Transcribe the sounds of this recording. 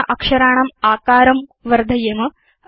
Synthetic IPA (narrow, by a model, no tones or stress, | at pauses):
ʔɐkʂɐɾaːɳɐmaːkaːɾɐmʋɐɾd̪ʱɐjɐmɐ